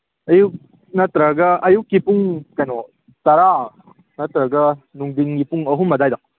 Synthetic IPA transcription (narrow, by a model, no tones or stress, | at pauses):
ɐjuk̚ | nɐtɾɐɡɐɐjukːipuŋkɐjnɔ | tɐɾa | nɐtɾɐɡɐnuŋdiŋɡipuŋɐɦumːɐdajdɐk̚